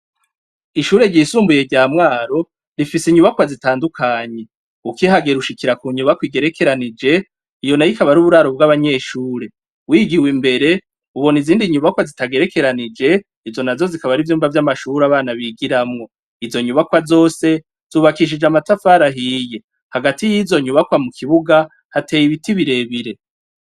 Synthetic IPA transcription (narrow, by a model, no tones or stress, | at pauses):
iʃuːɾe̞ɟiːsuːmbuje̞ɟaːmŋaːɾo̞ | ɾifisiɲuβakwazitaːndukʰaɲe̞ | ukiɦaɡe̞ɾuʃikiɾakuɲuβakwiɡe̞ɾe̞kʰe̞ɾanid͡ʒe̞ | ijo̞najikaβaɾuβuɾaɾo̞bɡaβaɲe̞ːʃuːɾe̞ | wiɡiwimbe̞ɾe̞ | uβo̞niziːndiɲuβakwazitaɡe̞ɾe̞ke̞ɾanid͡ʒe̞ | izo̞nazo̞zikaβaɾivjuːmbavjamaʃuɾaβaːnaβiɡiɾamŋo̞ | izo̞ɲuβakwazo̞ːse̞ | z̥uːβakiʃ̬id͡ʒamatafaɾaɦije̞ | haɡatijizo̞ɲuβakwamukʰiβuɡa | hatʰe̞ːjiβitiβiɾe̞βiɾe̞